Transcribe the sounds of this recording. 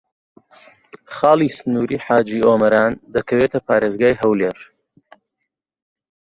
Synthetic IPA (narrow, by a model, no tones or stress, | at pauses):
χɑːlˠiːsɨnuːɾiːħaːd͡ʒiːoːmɐɾaːnd̪ɐkʰɐweːt̪ɐpaːɾeːzɡaːjɦɐwleːɾ